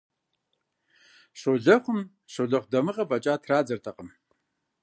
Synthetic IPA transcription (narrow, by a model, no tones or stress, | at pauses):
ɕoːɮɐχʷʊm | ɕoɮɐχʷdɐmɨqɐpʰʼɐt͡ʃʼaːtʰraːd͡zɐrtʰɐqʼəm